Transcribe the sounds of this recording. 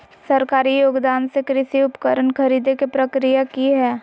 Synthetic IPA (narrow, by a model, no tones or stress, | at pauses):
sɐɾkaːɾijoːɡd̪aːnsekɾɪʃiʊpkəɾənkʰɐɾiːd̪ekepɾəkɾijakiɦɛː